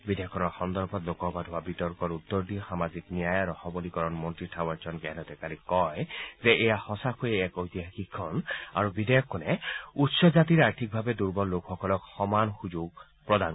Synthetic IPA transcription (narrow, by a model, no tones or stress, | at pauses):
bidejɔkʰːɔnɔɹxɔnd̪ɔɹbʰʱɔtlokɔpadʱowabitɔɹkɔɹut̪ːɔɹdixamaziknijajaɹɔxɔbɔlikɔɹɔnmɔntɹitʰawaɹzɔnɡɛnɔt̪ɛkalikɔjzɛʔɛjahɔsakʰojɛɛkojt̪iɦaxikʰːɔna̰ɹubidejɔkʰːɔnɛutsɔzat̪iɹaɹtʰik̚bʱabɛduɹbɔnlokxɔkɔlɔkxɔmanxuzuɡ̚ | pɹɔdan